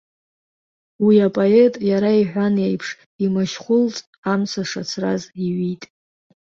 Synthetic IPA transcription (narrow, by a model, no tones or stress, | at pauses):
wiapʼoetʼjaɾaiħᶣʷanejpʰʂ | imaʃχʷʊlt͡sʼ | amsaʂat͡sʰraziɥitʼ